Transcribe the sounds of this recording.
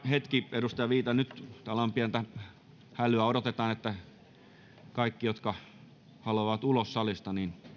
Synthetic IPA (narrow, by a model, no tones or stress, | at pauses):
het̪kierust̪ɑjɑʋiːt̪ɑnyt̪t̪ɑlɑmpiænt̪æ | hælyæoɾot̪et̪ɑːnet̪ːæ | kɑikːijot̪kɑ | hɑluɑʋɑt̪ulossɑlist̪ɑnin